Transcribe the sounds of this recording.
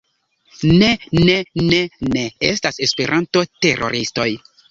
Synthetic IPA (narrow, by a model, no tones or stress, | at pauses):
ne̞neneneḛstase̞spe̞ɾʔanto̞te̞ɾʔo̞̰ɾʔisto̞j